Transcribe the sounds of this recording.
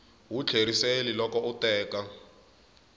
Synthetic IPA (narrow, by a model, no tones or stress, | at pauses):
wut͡ɬʰeɾiselilɔkɔutɛːka